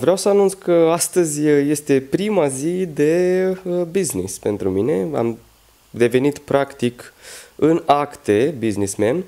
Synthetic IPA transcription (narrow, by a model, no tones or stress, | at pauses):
vɾeawsəanunt̪skəast̪əzʲje̞st̪e̞pɾimazid̪e̞əbiznḭspe̞nt̪ɾumine̞a̰m | d̪e̞ve̞nit̪pɾakt̪ikɨnakt̪e̞biznismen